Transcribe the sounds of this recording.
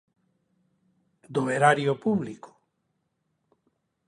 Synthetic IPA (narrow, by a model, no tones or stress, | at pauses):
d̪oeɾaɾjopuβliko̥